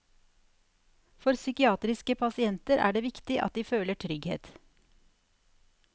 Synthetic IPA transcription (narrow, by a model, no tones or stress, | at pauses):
fɔɾsʏkɪɑːt̪ɾɪskəpʰɑsɪɛnt̪əɾʔæ̰ːɖeːʋɪkt̪ɪʔɑ̰t̪̚d̪iːføːləʈʰɾʏɡhḛːt̪